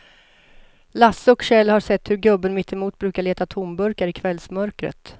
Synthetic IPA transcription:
lasːɔkɕɛlːhaʂɛt̪ːhɵɾɡɵbːənmɪt̪ːɪmuːt̪̚bɾʉ̟ːkaɭeːt̪at̪ʰʊmbɵɾkaɾɪkʰvɛlsmœɾkɾə̰t̪

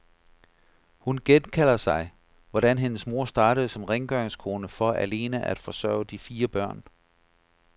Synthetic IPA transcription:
hunɡ̥enkʰæl̰ɐsɑ̈ɪ | ʋɒɾ̥ænɦe̝nəsmo̝ɐ̰sd̥ɑ̈ːɾ̥əð̩ˠsɒ̽mʁeŋɡ̥œɐeŋskʰo̝ːnəfɒ̽ʔæle̝ːnæʔæd̥fɒ̽sɶɐ̰ʊd̥ifiːɐb̥ɶɐ̰n

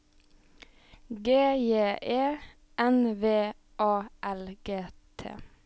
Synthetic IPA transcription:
ɡeːjeːʔeː | ʔɛnʋeː | ʔɑːʔɛlɡeːt̪ʰḛː

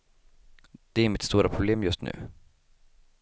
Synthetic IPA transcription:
d̪̥ɛæɾmɪt̪st̪uːɾapʰɾʊbleːmjɵst̪nʉ̟̰ː

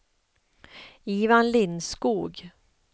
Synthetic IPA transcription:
iːvanlɪnskuːɡ

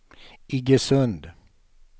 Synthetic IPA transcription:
ɪɡəsɵnd̪

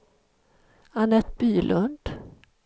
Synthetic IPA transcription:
anɛt̪byːlʔɵnd̪̥

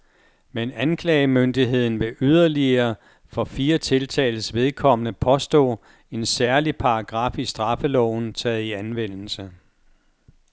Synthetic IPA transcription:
menænkʰlɛːɪəmønd̥iɦe̝ð̞̰ˠn̩ʋe̝ʔyð̞ˠɐliɐː | fɒ̽fiːɐt͡sʰe̝lt͡sʰɛ̰ɪl̩sʋe̝ð̞ˠkʰɒ̽m̰ənəpʰɒ̽sd̥ɔ̰̽ː | e̝nsæɐlipʰɑ̈ɑɡ̥ʁɑ̈fisd̥ʁɑ̈fəlɒʊ̰n̩t͡sʰɛːð̩ˠiænʋen̰l̩sə

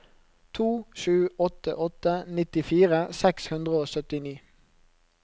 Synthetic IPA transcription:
t̪ʰuːʃʉːɔt̪ə̰ʔɔt̪ənɪt̪ɪfiːʁəsɛkshʉnd̪ʁəoːsœt̪ɪniː

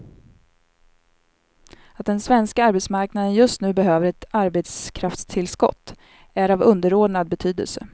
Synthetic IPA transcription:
at̪̚d̪ɛnsvɛnskaaɾbɛt̪smaɾknad̪ənjɵst̪nʉ̟ːbɛɦøːvəɾɛt̪aɾbet̪skʰɾaft̪st̪ʰɪlskɔ̰t̪ː | æɾavɵnd̪əɾoːɖnad̪̚bɛt̪ʰyːd̪ə̰lsə

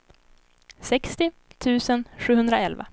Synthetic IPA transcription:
sɛkst̪ɪ | t̪ʰʉ̟ːsənɧʉ̟ːhɵnd̪ɾaɛlva̰

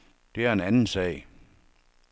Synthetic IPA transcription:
d̥e̝æɐe̝nænn̩sɛ̰ː

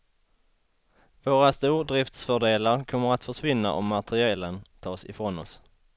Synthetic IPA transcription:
voːɾast̪uːɾɖ̪ɾɪft̪sfœɖeːlaɾkʰɔmːəɾat̪fœʂvɪnːa̰ʔɔ̰mːat̪ɾɪɛːlənt̪ʰɑːsɪ̰fɾoːnɔs

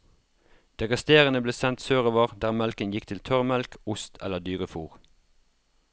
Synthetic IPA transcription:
d̪̥ɛkɑst̪eːʁənəbleːsɛnt̪søːʁoːʋəʁd̪æːʁmɛlkənjɪkt̪ʰɪlt̪ʰœʁmɛlkʊst̪ʰɛ̰ləʁd̪yːʁəfuːʁ

